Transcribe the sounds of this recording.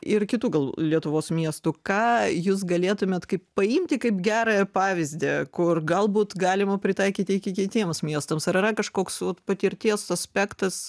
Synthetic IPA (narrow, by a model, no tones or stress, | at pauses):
ɪrkʲɪt̪uːɡɐlˠlʲiɛt̪ʊʋoːsmʲiɛst̪ukɑːjuːs̬ɡɐlʲeːt̪ʊmʲeːt̪kɐɪppɐɪmʲt̪ʲɪkɐɪpɡʲæːɾɐjɛpɑːʋʲɪzʲd̪ʲeːkʊrɡɐlˠbuːt̪ɡɑːlʲɪmɐpʲɾʲɪt̪ɐɪkʲiːt̪ʲɪɪkʲɪkʲɪt̪ʲiɛmsmʲiɛst̪ɐmsɐɾɪɾɐkɐʃkoːksʋoːt̪pɐt̪ʲɪɾʲt̪ʲiɛsɐsʲpʲækt̪ɐs